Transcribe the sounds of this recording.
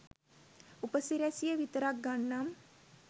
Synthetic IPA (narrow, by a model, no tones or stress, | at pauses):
upəsiɾasijəʋit̪ɾak̚ɡaɳːam